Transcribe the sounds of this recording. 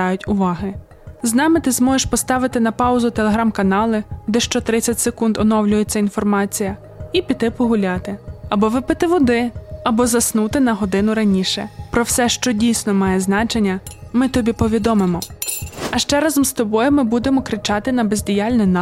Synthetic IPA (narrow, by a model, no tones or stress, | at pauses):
ɑjʊtʲʊʋɑɦɪ | znɑmɪt̪ɪzmɔʒeʃpɔst̪ɑʋɪt̪ɪnɐpɑʊzʊt̪elˠeɦɾɑmkɐnɑlˠɪd̪ɛʃt͡ʃɔt̪ɾɪt͡sʲːɐtʲsekund̪ɔnɔwlʲʊjet͡sʲːɐinfɔrmɑt͡sʲijɐ | ipʲit̪ɪpɔɦʊlʲɑt̪ɪɐbɔʋɪpɪt̪ɪʋɔd̪ɪɐbɔzɐsnut̪ɪnɐɦɔd̪ɪnʊɾɐnʲiʃɛ̰pɾɔwsɛʃt͡ʃɔdʲijsʲnɔmɑjɛznɑt͡ʃenʲːɐmɪt̪ɔbʲipɔʋʲid̪ɔmɪmɔ | ɐʃt͡ʃɛɾɑzɔmst̪ɔbɔjɛmɪbud̪emɔkɾɪt͡ʃɑt̪ɪnɐbezʲdʲijɑlʲnɪnɑ